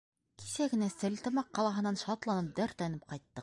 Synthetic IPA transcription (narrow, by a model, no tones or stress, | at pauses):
ki̥sæɡɘ̆næsɘlt̪ɤ̆mɑqːɑlˠɑɦɤ̆nːɑnʃɑt̪lˠɑnɤp̚d̪æɾt̪lænɘp̚qɑjt̪ːɤq̚